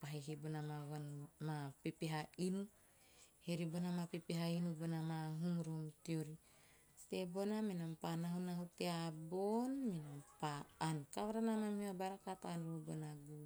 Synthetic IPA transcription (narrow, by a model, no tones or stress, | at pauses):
paɦiɦibonamaβamapepeɦainu | heɾibonamapepeɦainubonamaɦuŋɾomtioɾi | t̪ebonaminampanaɦunaɦuteabonminampaankaβaɾanamamhiabaɾakat̪anɾobonaɡu